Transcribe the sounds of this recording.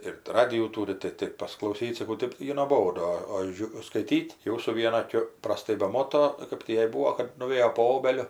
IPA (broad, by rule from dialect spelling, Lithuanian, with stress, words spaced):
ɪr ˈrɑːdʲɪjuː ˈtuːrʲɪ tɐɪ ˈtɐɪp pɐsʲɪklˠɐʊˈsʲiːt sɐˈkɐʊ ˈtɜp ˈjɛɪ noːˈboːdʊ oː ˈʒʲʊ skɐɪˈtʲiːtʲ ˈjɛʊ sʊ ˈʋʲiɛnɐ ɐˈkʲʊ prɐˈstɐɪ bʲɛˈmoːtoː ˈkɐp tʲiː ˈjɛɪ ˈbuːoː kɐt nʊˈʋʲeːjoː poː ˈoːbʲɛlʲʊ